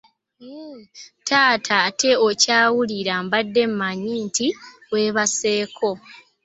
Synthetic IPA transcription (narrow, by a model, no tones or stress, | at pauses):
tʰaːtʰatʰe̞ocaːwuliɾambadːe̞mmaɲinti | we̞ːβase̞ːkʰo̞